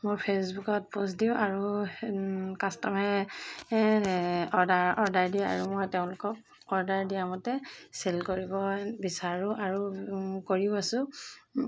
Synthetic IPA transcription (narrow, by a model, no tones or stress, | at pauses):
moɹpʰesbukɔt̚posdiʊ̃ʔaɹu | kastɔmɛ | ɔɹdaɹɔɹdaɹdijaa̰ɹumojteʊ̃lʊkɔk̚ | ɔɹdaɹdijamɔtɛselkoɹibɔbisaɹʊʔaɹukoɹiasʊ̃